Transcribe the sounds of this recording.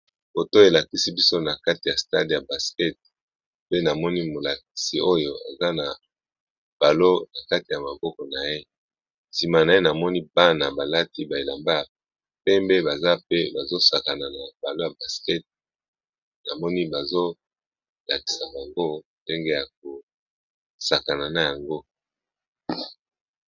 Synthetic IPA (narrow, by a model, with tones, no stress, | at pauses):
bo˨to˦e˨la˨ki˦si˦bi˦so˦na˨ka˦ti˨ja˨sta̰˦di˨ja˨ba˨skɛ˦t̚ | pe˦na˨mɔ˦ni˦mo˨la˨k̚i̥˨si˨o˦jo˨a̰˨za˦na˨ | b̥a˨lo˦na˨ka˦ti˨ja˨ma˨bɔ˦kɔ˨na˨je˦ | si˨ma˨na˨je˦na˨mɔ˦ni˦ba˦na˨ba˨la˦ti˦ba˨e˨la˨mba˦˨ | pɛ˦mbe˦ba˨za˦pe˦ba˨zo˦sa˨ka˨na˨na˨ba˨lo˦ja˨ba˨skɛ˦t̚ | na˨mɔ˦ni˦ba˨zo˦ | la˨ki̥˨sa˨ba˨ŋɡo˦nde˦ŋɡe˦ja˨k̚o˨ | sa˨ka˨na˨na˨ja˨ŋɡo˦